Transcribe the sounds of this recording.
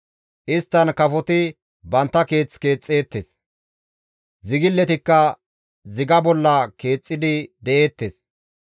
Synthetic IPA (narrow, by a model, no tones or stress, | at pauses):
ʔɪst̪ːɐnkɐfɔt̪ɪ | bɐnt̪ːɐke̞ːt͡sːke̞ːt͡sʼːe̞ːt̪ːes | zɪɡɪlːɛt̪ɪkːɐ | zɪɡɐbɔlːɐke̞ːt͡sʼːɪd̪ɪd̪ɛʔe̞ːt̪ːes